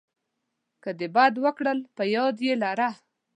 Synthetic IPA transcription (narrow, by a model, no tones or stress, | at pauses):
kəd̪ebɑd̪wəkɽəlpəjɑd̪jelaɾa